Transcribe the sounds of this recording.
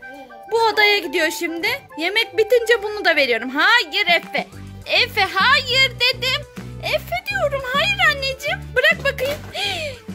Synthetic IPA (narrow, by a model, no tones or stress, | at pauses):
buod̪ajaɟid̪ijo̞ʃimd̪ɪje̞mɛc̚bit̪ind͡ʒɛbunud̪ave̞ɾijo̞ɾumɦaːjɯɾɛfɛɛfɛɦaːjiɾd̪e̞d̪ɪmɛfɛd̪ijo̞ɾumhaːjiɾanːed͡ʒimbɯɾak̚bakɯjɯm